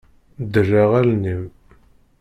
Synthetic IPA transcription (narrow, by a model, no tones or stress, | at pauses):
d̪əʒæʁælnim